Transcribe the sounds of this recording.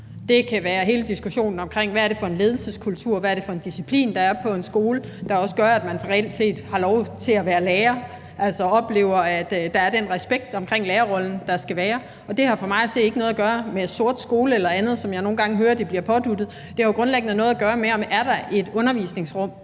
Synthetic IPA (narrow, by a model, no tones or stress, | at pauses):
d̥e̝kʰæʋæːɐɦe̝ːləd̥isɡ̥uɕo̝̰ːnn̩ɒ̽mkʰʁeŋ̰ʋææɐɾe̝fɒ̽e̝nle̝ːð̞ˠl̩səskʰult͡sʰuɐ̰ʋæɐɾ̥e̝fɒ̽e̝nd̥isipʰlḭːnd̥ɑ̈æɐpʰɒ̽e̝nsɡ̥o̝ːləd̥ɑ̈ɒ̽səɡ̥ɶɐæd̥mænʁɛel̰d̥se̝̰ːd̥hɑ̈lɒʊt͡sʰe̝læʋæːɐleːɐ | ʔæl̰sɒɒ̽b̥le̝̰ːʊɐæd̥ːɑ̈æɐd̥enʁɛsb̥eɡ̥̚d̥ɒ̽mkʰʁeŋ̰leːɐʁɒ̽ln̩d̥ɑ̈sɡ̥æʋæːɐ | ɒ̽d̥e̝hɑ̈fɒ̽mɑ̈ɪæse̝̰̥ːe̝ɡ̥ənɔ̽ðˠɐɡ̥ɶːɐmed̥so̝ɐ̰d̥sɡ̥o̝ːləelɐænð̞̩ˠsɒ̽mjɑ̈ɪno̝ːn̩ɡɑ̈ŋəɦøːɐd̥ib̥liɐpʰɒ̽d̥ud̥ð̩ˠ | d̥e̝æoɡ̥ʁɔ̽nleɡ̥n̩ənɔ̽ð̞̩ˠæɡ̥ɶːɐmeɒ̽mæɐɾ̥ɑ̈ʔe̝d̥ɔ̽nɐʋḭsne̝ŋsʁɔ̽m̰